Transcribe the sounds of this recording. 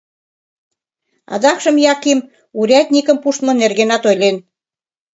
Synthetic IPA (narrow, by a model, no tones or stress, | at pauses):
ɑ̰d̪ɑkʃə̆mjɑkim | uɾʲɑt̪̚ʲnʲikə̆mpuʃt̪mŏnerɣenɑt̪ojlen